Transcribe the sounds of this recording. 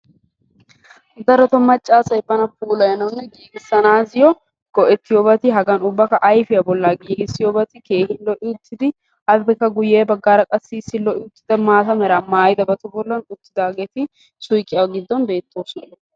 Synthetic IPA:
d̪ɐɾɔt̪ɔmɐt͡ʃʼːaːsɐjbːɐnɐpuːlɐjɐnɐwnːɛɡiːɡɪsːɐnaːzɪjɔ | ɡ̥ɔʔɛt̪ːɪjɔbɐt̪ɪɦɐɡɐnʊbːɐkɐʔɐjfɪjɐbɔlːaɡiːɡɪsːɪjɔbɐt̪ɪke̞ːhɪnlɔʔɪʊt̪ːɪd̪ɪ | ʔɐbɛkːɐɡʊjːeːbɐɡːaːɾɐkʼɐsːiːsːɪlɔʔɪʊt̪ːɪd̪ɐmaːt̪ɐmɛɾɐmaːjɪd̪ɐbɐt̪ɔbɔlːɐnʊt̪ːɪd̪aːɡet̪ɪ | sʊjkʼːɪɐwɡɪd̪ːɔnbe̞ːt̪ːoːsɐ

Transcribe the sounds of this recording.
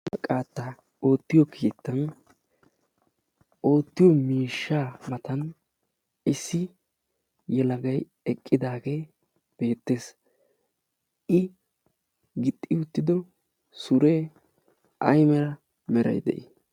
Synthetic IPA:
ɐkʼaːt̪ːɐ | o̞ːt̪ːɪjɔkʰiːt̪ːɐn | o̞ːt̪ːɪjɔmiːʃːaːmɐt̪ɐn | ɪsːɪ | jɛlɐɡɐj | ɛkʼːɪd̪aːɡeː | b̥e̞ːt̪ːe̞ːs | ʔɪ | ɡɪt̪ʼːɪʊt̪ːɪd̪ɔ | sʊɾeː | ʔɐ̰jmɛɾɐ | mɛɾɐ̰jd̪ɛ̰ʔi

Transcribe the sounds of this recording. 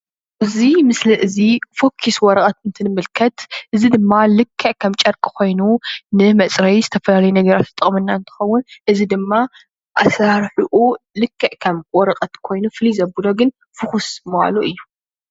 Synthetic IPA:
ʔɨzimɨsliʔɨzifo̞kʰːiswɔɾɐkʼɐt̪ɨnt̪ʰɨnɨmɨlkʰɐt̪ʔɨzid̪ɨmːalɨkʰːɐʕkʰɐmt͡ʃʼɐɾkʼɨ̥kʰo̞jnunɨmɐt͡sʼɾɐjzɨt̪ʰɐfɐlalɐjunɐɡɐɾat̪ːɨt̪ʼɨχʼmɨnːaɨnt̪ʰɨ̥xɐwːʊnʔɨzid̪ɨmːa | ʔasaɾħuʔulɨkʰːɐʕkʰɐmwɔɾɐqʼɐt̪kʰo̞jnufɨlizɐbuloɡɨn | fɨxusmɐa̰luʔɨjːu

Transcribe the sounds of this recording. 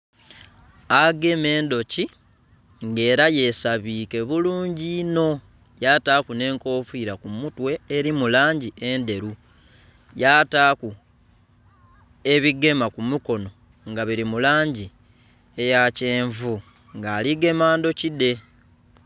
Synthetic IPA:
aɡe̞me̞ːndo̞ci | ŋɡe̞ːɾaje̞saβiːke̞βuluːɲɟino̞ | jataːkune̞ːŋko̞ːfiːɾakumutwe̞ːɾimulaːɲɟiʔe̞nde̞ɾu | jataːku | e̞βiɡe̞makumuko̞no̞ | ŋɡaβiɾimulaːɲɟi | e̞jace̞ːɱvu | ŋɡaːliɡe̞maːndo̞cide̞

